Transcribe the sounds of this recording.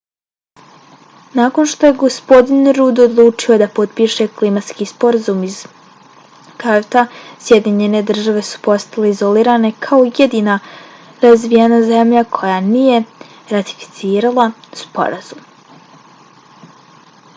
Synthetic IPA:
nako̞nʃt̪o̞je̞ɡo̞spo̞d̪inɾuːd̪od̪lˠuːt͡ʂio̞d̪apo̞d̪piʃe̞klimat̪skiːspo̞ɾazumiz | kaɾt̪asje̞d̪iɲe̞ne̞d̪r̩ʒaʋe̞su̥po̞st̪ale̞izo̞liːɾane̞kʰaojed̪iːna | ɾazʋienaze̞mʎakʰo̞janije̞ | ɾat̪i̥fi̥t̪siːɾalˠaspo̞̰ɾaz̥um

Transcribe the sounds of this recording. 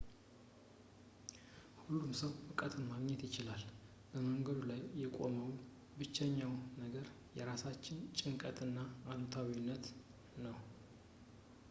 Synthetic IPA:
hulumsəwʔɨkʼət̪ʰɨnmaɡɲɛt̪jɪt͡ʃɪlal | b̥əməŋɡəd̪ulajːɛkʼo̞̰məw | bɨt͡ʃːɛɲːawnəɡəɾ | jɛɾasat͡ʃːɪnt͡ʃʼɪŋkʼət̪ʼɨnːaːnot̪ʰawinːət̪ | nəw

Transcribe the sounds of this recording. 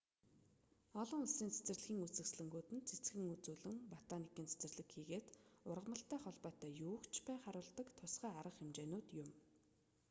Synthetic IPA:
ɔɮɞ̆ŋʊɮsiːnt͡sʰe̥t͡sɘ̆rɮxiːŋut͡sɘ̆ksɮɘ̆ŋɡuːt̪ɘ̆nt͡sʰet͡sɡɘ̆ŋut͡suːɮɘ̆ŋpat̪anikiːnt͡sʰe̥t͡sɘ̆rɮɘ̆kxiːɣeːt̪ʊrʁə̆mə̆ɬt̪æːχɔɮpɔːt̪æːjuːkt͡ɕʰpæːχaɾʊːɮt̪ə̆kt̪ʰʊsχæːaɾə̆χemt͡ɕeːnʊːt̪jʊm

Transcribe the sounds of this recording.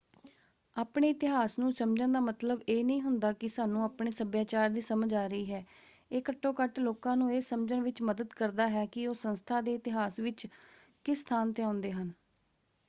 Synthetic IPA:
aːpɳeːɪt̪ɪɦaːsnũːsəmd͡ʒə̃nd̪aːmət̪ləbeːnəĩːɦʊnd̪aːkɪsaːnːũːaːpɳeːsəbjaːt͡ʃaːɾd̪iːsəməd͡ʒaːɾəiːɦɛː | eːkəʈːoːkəʈloːkãːnũːeːsəmd͡ʒənʋɪt͡ʃməd̪əd̪kəɾd̪aːɦɛːkɪoːsənst̪ʰaːd̪eːɪt̪ɪɦaːsʋɪt͡ʃ | kɪst̪ʰaːnt̪eãːʊnd̪eːɦən

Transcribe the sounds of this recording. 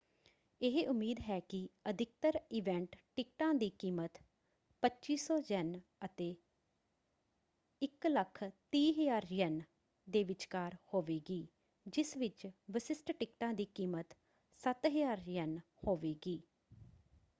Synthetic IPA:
ɪɦeʔʊmiːd̪ɦɛːkɪəd̪ʱɪk̚t̪əɾɪːʋɛ̃ɳʈʈɪk̚ʈãːd̪iːkiːmət̪ | pətːt͡ʃiːsɔːd͡ʒɛnət̪eː | ɪkləkʰt̪iːɦəjaːɾjɛn | d̪eːʋɪt͡ʃkaːɾhoːʋeːɡiː | d͡ʒɪsʋɪt͡ʃʋəsɪsʈʈɪkʈãːd̪iːkiːmət̪ | sət̪ɦəjaːɾjɛn | hoːʋeːɡiː

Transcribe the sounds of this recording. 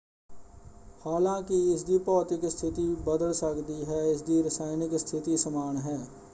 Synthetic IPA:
haːlãːkiɪsd̪iːpɔːt̪ɪkst̪ʰɪt̪ibəd̪əlsəkd̪iɦɛːɪsd̪iːɾəsaːɪnɪkst̪ʰɪt̪isəmaːnɦɛː

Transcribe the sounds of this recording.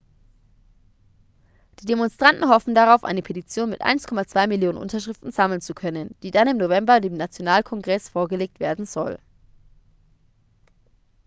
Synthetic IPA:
d̥iːdemɔnstʁ̥antn̩ɦɔfn̩daʁ̞aʊfʔa̰ɪnəpʰetit͡sjoːnmɪtʔa̰ɪnskʰɔmat͡sv̥aɪmɪljoːnə̰nʔʊ̰ntɐʃʁ̥ɪftn̩z̥aml̩nt͡sukʰœnənd̥iːdanɪmnovɛmbɐdeːmnat͡sjonaːlkʰɔŋɡʁɛsfoːɐɡəleːk̚tv̥eːɐdn̩zɔl

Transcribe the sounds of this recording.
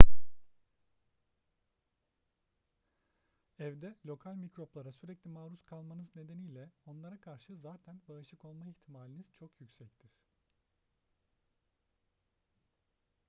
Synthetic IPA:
ɛvd̪ɛlʲo̞kʰalʲmicɾo̞plˠaɾasyɾɛclʲimaːɾuskʰalˠmanɯzne̞d̪e̞nijlʲɛo̞nlˠaɾakʰaɾʃɯzaːt̪ʰænbaɯʃɯko̞lˠmaiçt̪ʰimaːlʲiniz̥t͡ʃʰo̞kjycsɛct̪ʰiɾ̥

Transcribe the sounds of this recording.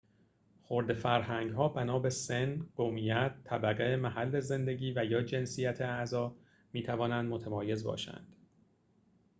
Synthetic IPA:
xoɾd̪e̞fæɾɦæŋɡɦɒːbænɒːbesenɢ̥omijæt̪ʰːæbæɣeemæɦælːeze̞nd̪e̞ɟiːvæjɒːd͡ʒe̞nsijæt̪ʰeæzɒː | miːt̪ʰævɒːnænd̪mo̞t̪ʰæmɒːje̞zbɒ̰ːʃæ̰nd̪̥

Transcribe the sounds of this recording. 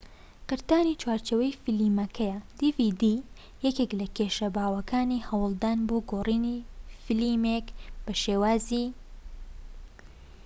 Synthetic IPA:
qɨɾt̪aːnit͡ʃwaːɾt͡ʃewɐjfɨliːmɐkʰɐjɐd̪ivid̪i | jɛkeklɐkeʃɐbaːwɐkʰaːniːhɐwɨlˠd̪aːnboɡoːriːniːfɨlimekb̥ɐʃeːwaːziː

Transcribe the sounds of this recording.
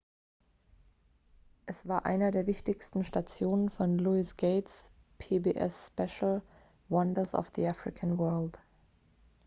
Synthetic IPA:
ʔɛsv̥aːɐʔa̰ɪnɐdeːɐvɪçtɪçstn̩ʃtat͡sjoːnənfɔnluɪsɡ̥eɪts | pʰebeːʔɛ̰sːpɛʃl̩ | wʌndɐsɔ̰fð̥ḭafʁɪkʰanwɜɐlt

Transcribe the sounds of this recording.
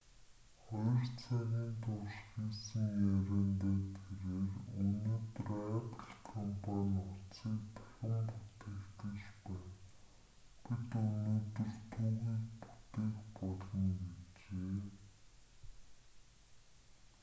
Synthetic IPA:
χɔjɞ̆rt͡sʰæɣʲiːnt̪ʰʊʃxiːsə̆ŋjæɾʲæːnt̪aːt̪ʰeɾeːrɵnoːt̪ɵræpə̆ɮkʰɔmpʰanʲʊt͡siːk̚t̪ʰɔ̥ɮə̆mput̪eːkt̪ɘ̆t͡ɕpæːn | pit̪unoːt̪ɵ̆r̥t̪ʰuːɣiːkpu̥t̪eːkpɔɮɞ̆nɡet͡ɕeː

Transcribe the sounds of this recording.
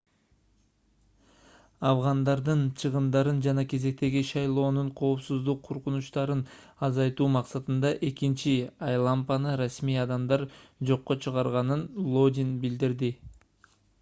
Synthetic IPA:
ɑvʁɑnd̪ɑɾd̪ɯnt͡ʃʰɯʁɯmd̪ɑɾɯnd͡ʒɑnɑke̞ze̞k̚t̪e̞ɡiʃɑjlˠo̞ːnuɴqʰo̞ːpsuzd̪uqʰːoɾqunuʃt̪ɑɾɯn | ɑzɑjt̪uːmɑqsɑt̪ɯnd̪ɑʔe̞kint͡ʃiɑjlˠɑmpɑnɯɾasmijɑd̪ɑmd̪ɑɾd͡ʒo̞qːo̞t͡ʃʰɯʁɑɾʁɑnɯnlˠo̞d̪ʲinbild̪iɾd̪i

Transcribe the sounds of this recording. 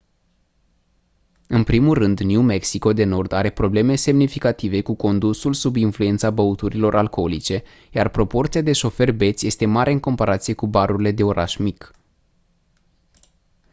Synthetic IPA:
ɨnpɾimulːɨnd̪njume̞ksiko̞d̪e̞no̞rd̪aɾe̞pɾo̞ble̞me̞se̞mnifikat̪ive̞kuko̞nd̪usulsubinfluent̪sabəut̪uɾilo̞ɾʔalko̞lit͡ʃe̞ | jarpɾo̞po̞rt̪siad̪e̞ʃo̞fe̞rbe̞t̪sʲje̞st̪e̞maɾʔe̞ɨŋko̞mpaɾat̪sije̞kubaɾurile̞d̪e̞o̞ɾaʃmik

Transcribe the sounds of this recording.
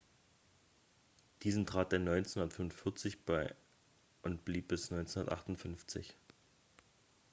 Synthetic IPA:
d̥iːzn̩tʁ̥aːt̚d̥enɔʏnt͡senhundɐtfʏmʊnfɪɐt͡sɪçb̥aɪ | ʔʊntb̥liːp̚b̥ɪsnɔʏnt͡senhʊndɐ̰tʔa̰χtʊnfʏnft͡sɪ̰ç

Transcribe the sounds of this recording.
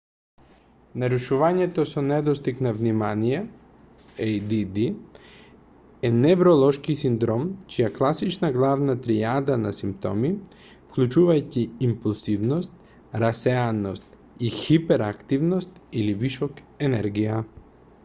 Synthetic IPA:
naɾuʃuvaɲɛt̪ɔsɔnɛd̪ɔst̪iknavnimanijɛ | ɛjd̪id̪i | ɛnɛvɾɔlˠɔʃkisind̪ɾɔmt͡ʃijaklˠasit͡ʃnaɡlˠavnat̪ɾiad̪anasimpt̪ɔ̰mi | fklʲut͡ʃuvajciːmpulˠzivnɔst̪̚ | ɾasɛanost̪ | ixipɛɾakt̪ivnɔst̪iliviʃɔk | ɛnɛɾɡija

